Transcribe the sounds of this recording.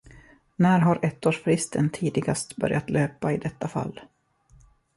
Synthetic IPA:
næːɾɦaɾɛt̪ːoːʂfɾɪst̪ʰənt̪ʰiːd̪ɪɡast̪bœ̰ɾjat̪løːpaɪd̪ɛt̪ːafa̰lː

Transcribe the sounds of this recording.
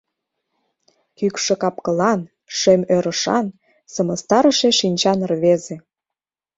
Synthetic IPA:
kykʃĕkɑpkɤ̆lɑn | ʃemøɾə̆ʃɑ̰n | sɤmə̆st̪ɑɾə̆ʃeʃinʲt͡ɕɑnərβezĕ

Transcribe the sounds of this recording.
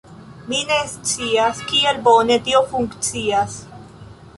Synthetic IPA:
minest͡siaskielbonet̪iofuŋkt͡sias

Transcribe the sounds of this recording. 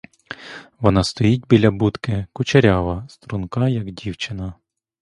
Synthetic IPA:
ʋɔnɑst̪ɔjit̚ʲbʲilʲɐbut̪kɪkʊt͡ʃɐɾʲaʋɐst̪ɾunkɑjɐɡdʲiwt͡ʃɪnɐ

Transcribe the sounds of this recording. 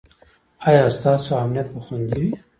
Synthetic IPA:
ɑjɑst̪ɑːsoamnijɐt̪̚bəxund̪iwi

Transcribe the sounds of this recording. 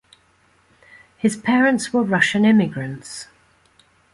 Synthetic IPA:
hɪz̥pʰɛːɹə̃ntswəɹʌʃə̃nɪmɪɡɹə̃nts

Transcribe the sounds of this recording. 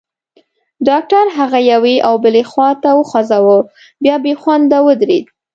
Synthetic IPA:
ɖɑk̚ʈaɾɦaɣajaweʔawbəlexwɑt̪awəxɑzawə | bjɑbexwand̪awəd̪ɾḛd̪

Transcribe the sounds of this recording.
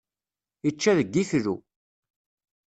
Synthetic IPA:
it͡ʃːæðəɡːiθɾu

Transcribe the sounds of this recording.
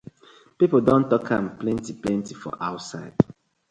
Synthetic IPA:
pipəldɔ̃ntɔkʰãmplɛ̃ntiplɛ̃ntifɔ̰ʔaʊtsa̰ɪd̥

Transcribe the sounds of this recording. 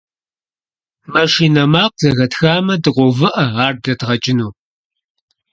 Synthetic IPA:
mɐʂiːnɐmaːq̚zɐɣɐtxaːmɐdɨqʷɔvɨʔɐaːrdɐdʁɐt͡ʃʼɪnuː

